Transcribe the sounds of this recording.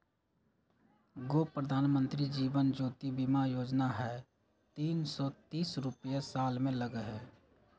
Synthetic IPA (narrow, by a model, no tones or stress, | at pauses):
ɡoːpɾəd̪ʱaːnmə̃nt̪ɾid͡ʒiːʋənd͡ʒoːt̪ibimajoːd͡ʒnaɦɛ | t̪iːnsɔt̪iːsɾʊpəjasaːlmẽləɡəɦɛː